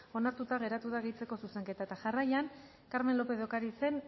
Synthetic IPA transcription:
o̞naɾt̪ut̪aɣe̞ɾat̪uðaɣit͡se̞ko̞suse̞ŋke̞t̪aet̪aʝarajan | kaɾme̞nlo̞pe̞ðokaɾise̞n

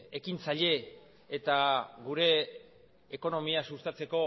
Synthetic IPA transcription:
ekint͡saʎe̞ː | t̪aɡuɾe̞ː | ko̞no̞miasust̪at͡se̞ko̞

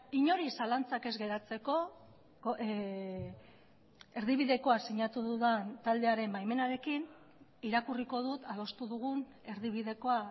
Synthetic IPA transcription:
iɲo̞ɾisalant͡sake̞zɣe̞ɾat͡se̞ko̞ | o | e̞ɾðiβ̞iðe̞ko̞asiɲat̪uðuðant̪ald̪e̞aɾe̞mbajme̞naɾe̞kin | iɾakuriko̞ð̞ut̪að̞o̞st̪uðuɣ̞un | e̞ɾðiβ̞iðe̞ko̞a

